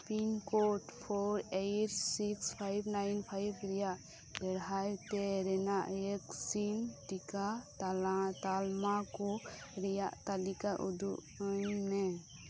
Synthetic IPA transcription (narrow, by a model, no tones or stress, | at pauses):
pinkoʈpʰoɾejʈsikspʰajbnajnpʰajbɾɛjaʔ | bɛɽɦajt̪ɛɾɛnaʔeksinʈikat̪aat̪almakɔɾɛjaʔt̪alikaʔud̪uʔ | ɲmɛ